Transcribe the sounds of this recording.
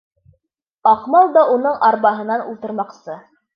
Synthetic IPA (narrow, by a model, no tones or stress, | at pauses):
ɑqmɑlˠd̪ɑʔunɤɴɑɾβɑɦɤ̆nɑnṵlˠt̪ɤ̆ɾmɑqsɤ